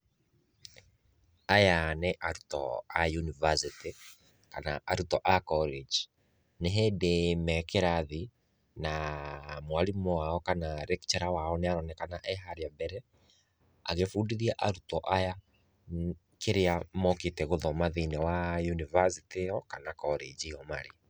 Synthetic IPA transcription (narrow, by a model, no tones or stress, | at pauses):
ajaneʔaɾutɔ̰ajunivasite | ka̰naʔaɾutɔʔakɔled͡ʒ | neɦɛdemɛkeɾaði | namwalimɔwaɔkanaɾɛkt͡ʃɛɾawaɔneaɾɔnɛkanaʔɛɦaɾeabɛɾɛ | a̰ɣefudiðiaʔaɾutɔʔaja | keɾeamɔketɛɣoðɔmaðinawajunivasiteɔkanakɔɾed͡ʒijɔmaɾe